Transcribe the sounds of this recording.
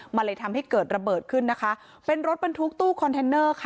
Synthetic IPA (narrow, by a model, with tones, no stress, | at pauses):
ma˧nla˧jt̪ʰa˧mha˥˩jkɤː˨˩t̪̚ɾa˧bɤː˨˩t̪̚kʰɯ˥˩nːa˦˥kʰa˦˥ʔ | pe˧nɾo˦˥t̪̚ba˧nt̪ʰu˦˥k̚t̪uː˥˩kʰɔ˧nt̪ʰe˧nːɤː˥˩kʰa˥